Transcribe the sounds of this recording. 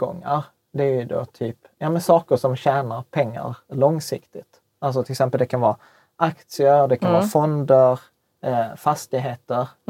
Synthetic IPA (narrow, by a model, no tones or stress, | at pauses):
ɡɔ̰ŋːa̰ɾ | d̪ɛæɾjɵd̪o̰ːt̪ʰyːp | jɑːmɛnsɑːkəʂɔmɕæːnaɾpʰɛŋːa̰ɾlɔŋsɪkt̪ɪt̪ | als̬ɔt̪ʰɪlksɛmpəld̪ɛkʰanvɑː | ʔakt̪sɪəɾd̪ɛkʰanvɑːfɔnd̪əɾ | fast̪ɪɡɦeːt̪əɾ